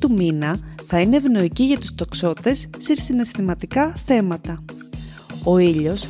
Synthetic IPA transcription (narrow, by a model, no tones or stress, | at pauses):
t̪uminɐθɐine̞ːvno̞iciʝɐt̪u̥st̪o̞kso̞t̪e̞sːesine̞st̪imɐt̪ikɐθe̞mɐt̪ɐ | o̞iʎo̞s